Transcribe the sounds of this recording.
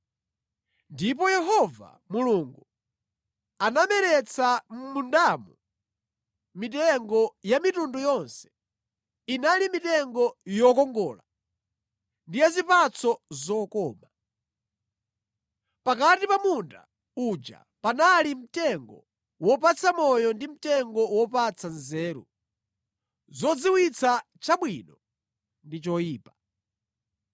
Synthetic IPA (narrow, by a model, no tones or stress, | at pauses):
ndip̬ɔjɛɦɔva̰ | muluːŋɡu | anamɛɾɛt͡sʰam̩mundamu | mit̬ɛŋɡɔjamitundujɔnsɛ̥ | inalimitɛŋɡɔjɔkɔŋɡɔːla | ndijazipat͡sɔzɔkɔːma | pakatipamunda̰ | ud͡ʒa̰ | panalim̩tɛŋɡɔ̰ | wɔpat͡sʰamɔjɔndim̩tɛŋɡɔwɔpat͡sʰanzɛːɾṵ | zɔd͡ziwit͡sʰa | t͡ʃaɓwiːnɔ | ndit͡ʃɔjiːpa